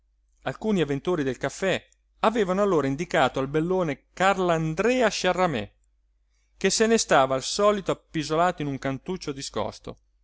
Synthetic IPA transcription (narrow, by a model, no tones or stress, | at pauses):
alkuːniavent̪oːɾid̪elkafːɛ | aveːvanoalːoːɾaind̪ikaːt̪oalbelːoːnekarland̪ɾɛːaʃarːamɛ̰ | k̟esenest̪aːvaːlsɔːlit̪oapːizolaːt̪oinuŋkant̪ut͡ʃːod̪iskɔ̰st̪o̰